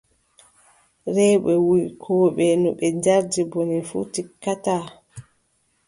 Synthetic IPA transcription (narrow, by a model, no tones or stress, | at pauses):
ɾɛːɓɛwuikʰɔːɓɛnuɓɛd͡ʒaɾdibonifṵtikːataː